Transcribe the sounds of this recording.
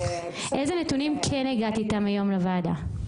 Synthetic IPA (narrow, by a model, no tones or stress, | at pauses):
ʔe̞zenet̪unimkʰeneɡat̪itamajo̞mlavada